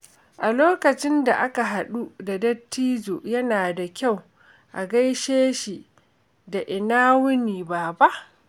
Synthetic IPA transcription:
ʔa˨loː˦kɐ˨t͡ʃɪ˦nda˨ʔa˦ka˨ɦa˨ɗu˦da˨dɐ˦tːiː˦d͡ʒoː˨jɐ˦naː˨da˨kʲa˦˨w | ʔa˨ɡa˦jʃeː˦ʃi˨ | da˨ʔɪ˨naː˦wʊ˦niː˨baː˨ba˦ʔ

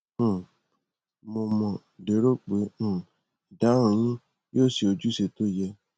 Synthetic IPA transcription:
mo˧mɔ̃˨ | de˨˦ɾo˦k͡pe˨˦ũ˦˨ | da˨˦ɾ̃ũ˧˨j̃ĩ˦ | joː˦˨si˧o˧d͡ʒu˦se˧to˦˨jɛ˧

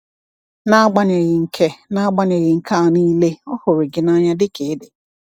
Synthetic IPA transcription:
na˦ɡ͡ba˦ɲe˨ɣɪ˨ŋ̩˨kʰe˦na˦ɡ͡ba˦ɲe˨ɣɪ˨ŋ̩˨kʰa˦˨ni˦le˦ɔ˦hʊ˨ɾɪ˨ɡɪ˨na˦ɲa˦dɪ˦kʰɪ˨˦dɪ˨

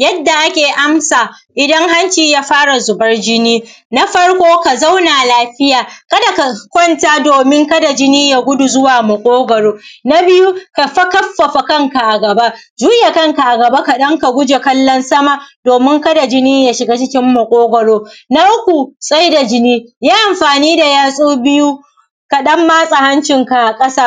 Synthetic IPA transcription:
jɐ˦dːa˨ʔa˦kʲeː˨ʔa˦msaː˨ʔɪ˨dɐ˦ŋɦa˦nt͡ʃiː˨jaː˦ɸaː˦ɽa˨zʊ˨bɐ˦rd͡ʒɪ˦niː˦ | na˦ɸɐ˦ɽkʷoː˦ka˨za˦wnaː˨laː˦ɸɪ˦jaː˨kɐ˦da˨ka˨kʷɔ˦ntaː˦doː˨mɪ˦ŋkɐ˦da˨d͡ʒɪ˦niː˦ja˨ɡʷʊ˦du˨zʊ˦waː˨mɐ˨kʷʼoː˦ɡɐ˨ɽoː˦na˦bɪ˦ju˦ka˨ɸɐ˦kɐ˦ɸːɐ˨ɸa˨kɐ˦ŋka˨ʔa˨ɡɐ˨ba˦ | d͡ʒuː˦ja˨kɐ˦ŋka˨ʔa˨ɡɐ˨ba˦ka˨ɗɐ˦ŋka˨ɡʷʊ˦d͡ʒe˨kɐ˦lːɔ˦nsɐ˦ma˨d̥oː˨mɪ˦ŋkɐ˦da˨d͡ʒɪ˦niː˦ja˨ʃɪ˨ɡa˦t͡ʃɪ˦kʲɪ˦mːɐ˨kʷʼoː˦ɡɐ˨ɽoː˦na˦ʔʊ˦kʷu˨sʼa˦jda˨d͡ʒɪ˦niː˦jaː˦ʔa˨mɸaː˨niː˦da˨jaː˦sʼuː˦bɪ˦ju˦ | ka˨ɗɐ˦mːaː˦sʼa˨ha˦nt͡ʃɪ˨ŋka˨ʔa˨kʼɐ˦saː˦

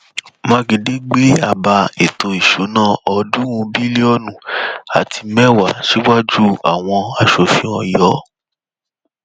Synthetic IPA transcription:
mã˧˦ɡe˧de˦ɡ͡be˦a˦˨ba˧e˨to˧i˨ʃu˨˦nãː˦˨ɔ˧dũ˦ũ˧bi˦li˦ɔ˦nũ˨a̰˨tʰi˧mɛ˦wa˨ʃe˦wa˦d͡ʒu˦a̰˨w̃ɔ̃˧a˧ʃo˨fĩ˧˦ɔ̃˨jɔ˨˦

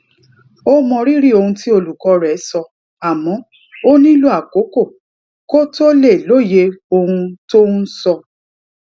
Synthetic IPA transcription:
o˦mɔ̃˧ɾi˦ɾi˦o˧hũ˧ti˦o˧lu˨kɔ˨˧ɾɛ˨˦sɔ˧ | a˨mɔ̃˨˦ | o˦nĩ˦lu˦a˦˨ko˨˦ko˦˨ | ko˦to˦le˦˨lo˦˨je˧o˧hũ˧to˦nu˦sɔ˧

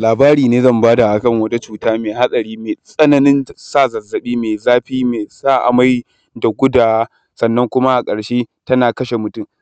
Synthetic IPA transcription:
laː˨baː˦ɾiː˨neː˦zɐ˦˨mbaː˦da˨ʔa˨kɐ˦˨ŋwɐ˦ta˦t͡ʃuː˨taː˦meː˨ɦa˦sʼɐ˨ɾiː˦meː˨sʼɐ˦nɐ˦nɪ˦nsaː˦˨zɐ˨zɐ˨ɓiː˦meː˨zaː˦ɸiː˦meː˨zaː˦˨ʔa̰˨ma˦j | da˨ɡʷʊ˦daː˨wa˦ | sɐ˨nːɐ˦ŋkʷʊ˦ma˦ʔa˨kʼɐ˨ɽʃeː˦tɐ˦naː˨kɐ˦ʃe˨mʊ˨tʊ˦˨m

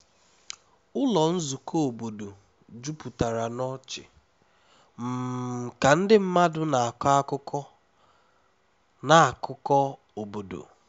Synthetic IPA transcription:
ʊ˦lɔ˨n̩˦zu˨ko˦o˨bo˨do˨ | d͡ʒu˦pu˨ta˨ɾa˨nɔ˦t͡ʃɪ˨ | m̩˨ka˨n̩˦dɪ˦m̩˦ma˦dʊ˦na˨a˨ka˦kʊ˦kɔ˦ | na˨a˨kʊ˦kɔ˦ | o˨bo˨do̰˨

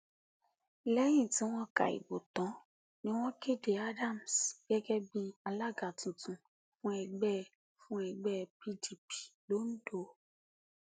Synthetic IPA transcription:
lɛ˦j̃ĩ˦˨tĩ˨˦w̃ɔ̃˦ka̰˨ḭ˨bo˨tɔ̃˨˦ | nĩ˦w̃ɔ̃˦ke˦˨de˨a˦dã˦˨m̩˨sɡ̥ɛ˦ɡɛ˦bi˦a˧la˦ɡa˨tĩ˨tũ˨ | fũ˦ɛ˧ɡ͡bɛ˦˨ | fũ˦ɛ˧ɡ͡bɛ˦˨pi˦di˨pi̥˨lo˦n̩˦do˧˨

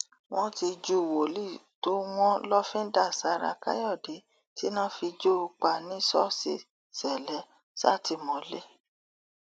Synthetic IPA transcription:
w̃ɔ̃˦ti˧d͡ʒu˦˨wo˨li˦˨to˦w̃ɔ̃˦lɔ˦fĩ˦n̩˦da˦˨sa˨˧˦ɾa̰˧ka̰˦jɔ˦˨de˨˦ | ti˦nã˦fi˧d͡ʒo˦u˧k͡pa˧˨nĩ˦sɔ˦sḛ˧˨ | sɛ˨lɛ˨˦ | sa̰˦˨ti˧˨mɔ̃˨˦le˦

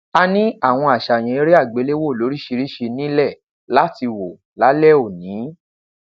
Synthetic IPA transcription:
a˧nĩ˦a˦˨w̃ɔ̃˧a˨ʃa˨j̃ɛ̃˨e˦ɾi˦a˦˨ɡ͡be˨˦le˦wo˦˨lo˨˦ɾi˦ʃi˧ɾi˦ʃe˧nĩ˦lɛ˦˨ | la˦ti˧wo˨ | la˨˦lɛ˦˨o˦˨nĩ˨˦

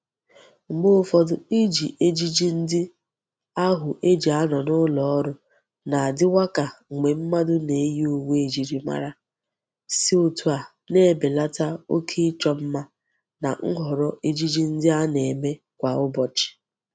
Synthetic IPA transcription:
ŋ͡m̩˨ɡ͡bo˦fɔ˦dʊ˨i˦d͡ʒi˨ʔe˦d͡ʒi˦d͡ʒi˦n̩˦dɪ˦ | a˦ɦʊ˨ʔe˦d͡ʒi˨a˦nɔ˨nʊ˦lɔ˨ɔ˦ɾʊ˨ | na˨a˨dɪ˦wa˦ka˨ŋ̩˨ŋ͡mɡ͡be˨m̩˦ma˦dʊ˦ne˨˦ji˦o˨we˦e˨d͡ʒi˨ɾi˨ma̰˦ɾa˦ | si˦o˨tu˨a˨ | ne˦e˦˨be˨la˦ta˦o˦kʰe˦ɪ˦t͡ʃɔ˦m̩˦ma˦ | na˨ŋ̩˦ɦɔ˨ɾɔ˦ʔe˦d͡ʒi˦d͡ʒi˦n̩˦dɪ˦a˦ne˨me˦ | kʷa˨ʊ˦bɔ˨t͡ʃɪ̥˨

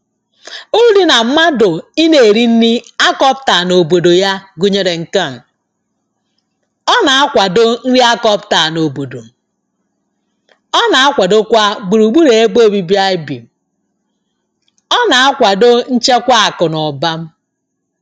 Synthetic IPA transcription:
u˦di˦na˨m̩˦ma˦do˨i˦ne˨e˨ɾi˦n̩˦ni˦a˦kɔ˦p̚ta˨no˨bo˨do˨ja˦ɡu˦ɲe˦ɾe˨ŋ̩˨ka˦˨ŋ̩˨ | ɔ˦na˨a˦kʷa˨do˦n̩˦ɾi˦a˦kɔ˦pta˨no˨bo˨do˨ | ɔ˦na˨a˦kʷa˨do˦kʷa˦ɡ͡bu˨ɾu˨ɡ͡bu˦ɾe˨e˦k͡po˦˨bi˦bi˦a˦ɪ˦bḭ˨m̩˨ | ɔ˦na˨a˦kʷa˨do˦n̩˦t͡ʃe˦kʷa˦a˨kʊ˨nɔ˨ba˦m̩˦

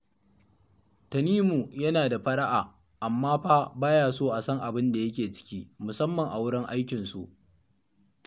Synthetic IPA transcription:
tɐ˨niː˦mu˨jɐ˦naː˨da˨ɸɐ˦ɗɐ˦ʔaː˨ | ʔa˨mːaː˦ɸaː˦baː˦jaː˦soː˦ʔa˨sɐ˦ŋʔa˨bɪ˦nda˨jɐ˦kʲeː˨t͡ʃɪ̥˦kʲiː˦mʊ˨sɐ˦mːɐ˨ŋʔa˨wʊ˦ɽɪ˦ŋʔa˦jkʲɪ˨nsu˨ʔ

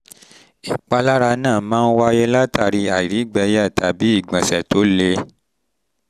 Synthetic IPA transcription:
i˨k͡pa˧la˦ɾa˧nãː˦˨mãː˦˧n̩˦wa˦je˧la˦tʰa˦˨ɾi˧a˨i˨ɾi˨˦ɡ͡bɛ˧ja˦˨ta˨bi˨˦i˦˨ɡ͡bã˨sɛ˨to˨˦le˧

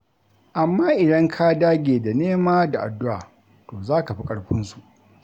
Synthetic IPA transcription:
ʔa˨mːaː˦ʔɪ˨dɐ˦ŋkʰaː˦daː˦ɡʲeː˨da˨neː˦maː˦da˨ʔa̰˨dːʊ˦ʔa̰ː˨ | toː˨zaː˦ka˨ɸi˦kʼɐ˨ɽɸɪ˦nsu˨ʔ

